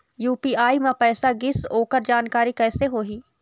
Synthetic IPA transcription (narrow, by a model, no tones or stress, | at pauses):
juːpiːaːimẽpɛːsaɡɪsoːkəɾd͡ʒaːnkaːɾikɛːseɦoːɦiː